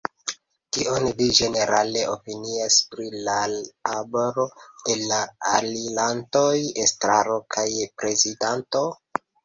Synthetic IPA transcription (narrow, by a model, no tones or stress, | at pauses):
kionvid͡ʒe̞ne̞ɾale̞ʔopiniaspɾilaaboɾo̞elːaːlilantojestɾaɾo̞kʰajpɾe̞zidanto̞